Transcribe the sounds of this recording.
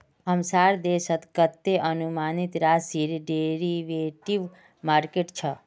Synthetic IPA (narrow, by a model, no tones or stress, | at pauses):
ɦəmsaɾd̪esət̪kət̪ːeʔənumanit̪ɾasiɾɖeɾiʋeʈiʋ | maɾkeʈt͡ʃʰə